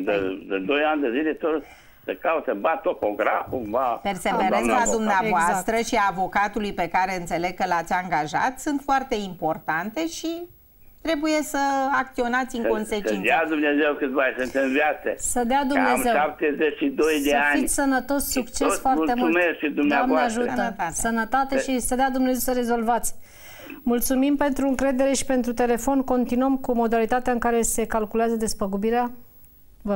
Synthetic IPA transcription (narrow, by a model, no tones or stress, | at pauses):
d̪əd̪ɨd̪o̞jand̪əzilet̪o | səkaut̪ebat̪opoɡɾa̰fkuvape̞rsevveɾenad̪umneavoast̪ɾəʃiaːvo̞kat̪ulujpe̞kaɾe̞ɨnt̪se̞le̞ɡ̚kəlat̪sʲaŋɡaʒa̰t̪sɨnt̪foart̪e̞impo̞rt̪ant̪e̞ʃi | t̪ɾe̞buje̞səak̚t̪sio̞nat̪sʲiŋko̞nseəid̪ead̪umnezewkɨt̪vasɨnt̪ɨnvʲjat̪sesəd̪ead̪unee̞wʃap̚t̪ezet͡ʃʃid̪ojd̪eanit̪sʲsənət̪o̞ssukt͡ʃesfoarmulemulmeskʃid̪umnamvaeaʒut̪əsənət̪at̪eʃisəd̪ead̪umne̞zewsəɾe̞zo̞lvat̪sʲ | mult̪sumimpe̞nt̪ɾuɨŋkɾe̞d̪e̞ɾe̞ʃi̥pe̞nt̪ɾut̪e̞le̞fo̞nko̞nt̪inuəmkumo̞d̪alit̪at̪eaɨŋkaɾe̞se̞kalkuleazəd̪e̞spəɡubiɾea | və